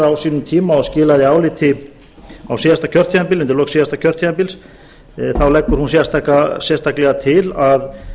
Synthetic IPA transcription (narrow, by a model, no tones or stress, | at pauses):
awsiːnʏmt̪ʰiːmaɔðscɪːlaðɪaːwlɪt̪ʰɪ | a̰wsiːðast̪acʰœr̥t̪ʰiðampɪlʏnt̪ɪlɔːksiːðast̪acʰœr̥t̪ʰiðampɪls | θawlɛkːʏɾ̥hunsjɛst̪ʰakasjɛst̪ʰaklɛɣat̪ʰɪlað